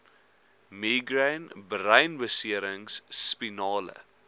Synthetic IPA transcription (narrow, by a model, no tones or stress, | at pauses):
miɡɾãnbɾajnʋəsiəɾəŋsːpinɑːlə̰